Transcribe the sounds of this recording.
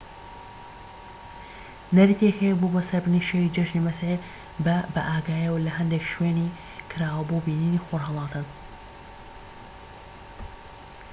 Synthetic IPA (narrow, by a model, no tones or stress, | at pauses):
nɐɾit̪ekhejɛbobɐsɐɾbɨniʃewid͡ʒɐʃnimɐsʕe | bbɐʔaːɡaːjɛwlɐɦɐnd̪ekʃweːni | kʰɨɾaːwɐbobiːniniːxoɾɦɐlˠɑːt̪ʰɨn